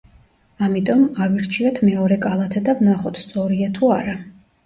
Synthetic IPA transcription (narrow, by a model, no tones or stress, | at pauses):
amit̪ʼɔmaviɾt͡ʃʰiɛt̪ʰmɛɔɾɛkʼalˠat̪ʰɛd̪avnaχɔt̪ʰst̪sʼɔɾiat̪ʰuaɾa